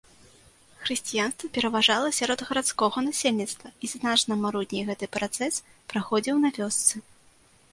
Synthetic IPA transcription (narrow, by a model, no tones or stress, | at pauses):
xɾɨsʲt͡sʲijanst̪vɐpʲɛɾɐvaʐalˠɐsʲaɾɔd̪ɣɐɾat̪skɔɣɐnasʲelʲnʲit̪st̪vɐiznat͡ʂnɐmaɾud̪ʲnʲijɣɛt̪ɨpɾat̪sɛs | pɾaxɔd͡zʲiwnɐvʲɔst̪sɨ